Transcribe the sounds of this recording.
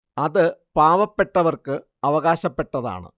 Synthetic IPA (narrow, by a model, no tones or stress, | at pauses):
ɐðɨpaːʋɐpːe̞ʈːɐʋɐrkɨ | ɐʋɐɣaːɕɐpːe̞ʈːɐða̰ːɳɨ̰